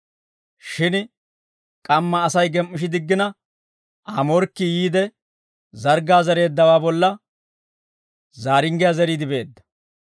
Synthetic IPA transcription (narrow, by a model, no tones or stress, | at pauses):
ʃɪn | kʼɐmːɐːsɐjɡɛmʔːɪʃ̬ɪd̪ɪɡːɪnɐ | ɐmɔɾkːɪjiːd̪ɛ | zɐɾɡaːzɐɾe̞ːd̪ːɐwaːbɔlːɐ | zaːɾɪŋɡɪjazɛɾiːd̪ɪbe̞ːd̪ːɐ̥